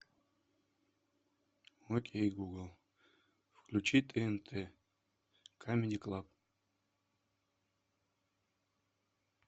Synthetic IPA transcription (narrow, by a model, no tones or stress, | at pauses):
wɔkʲʼejɡuɡəlˠ | fkʰlʲut͡ʃʰit̪ʼɛɛnt̪ʰɛ | kʰamʲenʲikʼlˠapʼ